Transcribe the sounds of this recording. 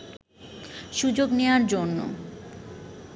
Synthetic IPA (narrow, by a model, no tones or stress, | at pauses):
ʃud͡ʑoɡnewaɾd͡ʑonːo̰